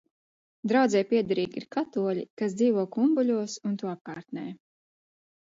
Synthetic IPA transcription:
d̪ɾawd̪zɛjpʲiɛd̪aɾiːɡʲḭɾkat̪uɔlʲikas̬d̪ziːvuɔːkumbulʲuɔsunt̪uɔap̚kaːɾt̪nɛj

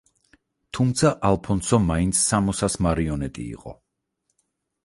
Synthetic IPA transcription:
t̪ʰumt̪sʰaʔalˠpʰɔnsɔmaint̪sʰːamɔsasmaɾiɔnɛt̪ʼḭːqʼɔ̰

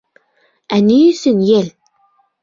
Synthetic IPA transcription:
æniɵ̆sɘnjel

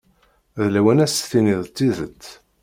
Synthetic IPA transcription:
ðlæwænæsθiniðt̪ːiðət͡sː

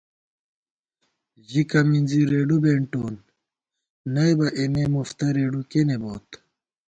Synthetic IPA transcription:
ʑikɐmind͡ziɾeːɖubeɳʈoːn | ɐjbɐʔenemuft̪ɐɾeːɖukeneboːt̪

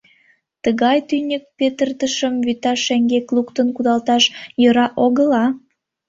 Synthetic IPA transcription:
t̪əɣɑjt̪ynʲək̚pet̪ərt̪əʃəmβyt̪ɑʃeŋɡeklukt̪ənkud̪ɑlt̪ɑʃjə̆ɾɑʔoɣəlɑ

